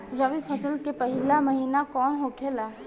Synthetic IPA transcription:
ɾəʋipʰəsəlkepəɦɪlaməɦiːnakɔːnɦokʰelaː

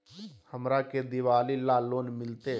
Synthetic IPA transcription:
həmɾaked̪ɪʋaːlilaːloːnmɪlt̪e

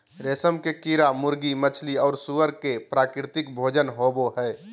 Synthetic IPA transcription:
ɾeːsəmkekiɾamʊɾɡimət͡ʃʰliɔːɾsuʋəɾkepɾaːkɾɪt̪ɪkbʱoːd͡ʒənɦoːboɦɛː

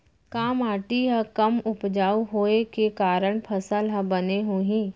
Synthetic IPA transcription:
kaːmaːʈiɦə̃kəmʊpd͡ʒaːuɦoːekekaːɾəɽ̃pʰɐsəlɦə̃bəneɦoːɦĩː

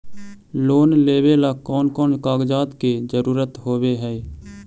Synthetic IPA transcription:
loːnleːʋelaːkɔːnkɔːnkaːɡd͡ʒaːt̪ked͡ʒəɾuːɾət̪ɦoːweɦɛː

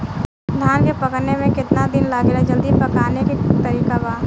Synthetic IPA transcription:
d̪ʱjaːnkepɐkəɾnemẽkɪt̪nad̪ɪnlaːɡɾad͡ʒɐld̪ipɐkaːneket̪ɐɾiːkabaː

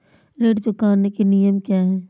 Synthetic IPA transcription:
ɾeːɖd͡ʒʊkaːnːekenijəmkjaːɦɛː

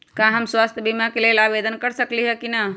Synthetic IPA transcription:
kãɦəmswast̪ʰjəbimakelelabed̪ənkəɾsəkliɦɛkina

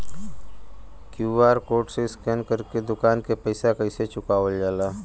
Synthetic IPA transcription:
kjuːʋaːɾkoːʈseɪskɛːnkəɾked̪ʊkaːnkepəɪsakəɪset͡ʃʊkaːəld͡ʒaːlaː

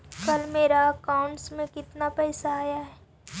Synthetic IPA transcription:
kɐlmeːɾaɐkaːʊ̃ɳʈsmẽkɪt̪napɛːsaaːjaɦɛː

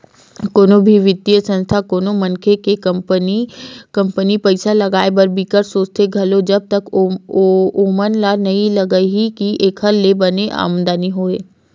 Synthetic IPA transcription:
koːnobʱiʋɪd̪ijəsə̃nst̪ʰakoːnomɐ̃nkʰekekənikɐ̃mpənipɐɪsalɐɡaːebɐɾbikəɾsoːt͡ʃt̪ʰeɡʱɐlod͡ʒɐb̚t̪ɐk | oːmənlanɐĩlɐɡəɦikiʔeːkʰɦɐɾlebɐneʔa̰ːmə̃nd̪aːniɦoːeː

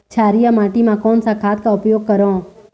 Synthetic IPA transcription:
t͡ʃʰaːɾijamãːʈimãːkoːnsaːkʰaːt̪kaʊpjoːɡ̚kəɾõː

